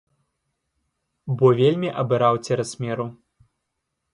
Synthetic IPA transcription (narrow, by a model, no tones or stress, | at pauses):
bɔvʲelʲmʲiʔɐbɨɾawt͡sʲɛɾɐsʲmʲɛɾu